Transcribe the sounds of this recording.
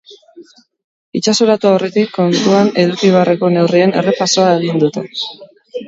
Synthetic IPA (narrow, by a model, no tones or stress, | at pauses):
it͡ʃaso̞ɾat̪uaore̞t̪ikːo̞nt̪uane̞ðukiβeareko̞ne̞wrie̞ne̞̰re̞paso̞aeɣ̞ind̪ut̪e̞